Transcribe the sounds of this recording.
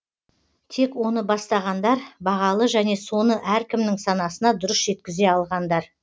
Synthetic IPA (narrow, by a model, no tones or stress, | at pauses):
t̪ʰe̞kwo̞nəbɑst̪ɑʁɑnd̪ɑɾbɑʁɑlˠəʒæne̞so̞nəʔæɾkʲɪmnɪŋsɑnɑsənɑd̪ʊɾəsʒ̥e̞t̪kʲɪze̞ɑlˠʁɑnd̪ɑɾ